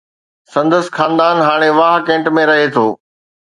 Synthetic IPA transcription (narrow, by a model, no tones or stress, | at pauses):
sɐ̃nd̪əs̆xaːnd̪aːnɦaːɽ̃eʋaːɦkẽːɳʈmẽɾɐɦet̪ʰoː